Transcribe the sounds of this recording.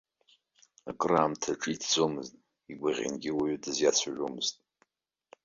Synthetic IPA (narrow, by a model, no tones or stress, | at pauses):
akʼraːmtʰaʈ͡ʂʼiitʰd͡zomɨztʼ | iɡʷaʁʲɪ̰nɡʲɪwaɥʏdɨzjat͡sʷʰaʒᶣomɨz̥tʼ